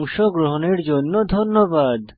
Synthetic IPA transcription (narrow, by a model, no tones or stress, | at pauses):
ŋʃoɡɾoɦoneɾd͡ʑonːod̪ʱonːobad̪